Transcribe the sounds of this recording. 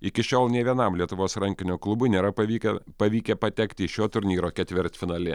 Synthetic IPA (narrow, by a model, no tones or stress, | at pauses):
ɪkʲɪʃʲoːlˠnʲɛʋʲiɛnɐmlʲiɛt̪ʊʋoːsɾɐŋʲkʲɪnʲoːklˠʊbʊnʲeːɾɐpɐʋʲiːkʲɛpɐʋʲiːkʲɛpɐt̪ʲɛkt̪ʲɪɪʃʲoːt̪ʊɾʲnʲiːɾoːkʲɛt̪ʲʋʲɪɾʲt̪ʲfʲɪnɐːlʲɪ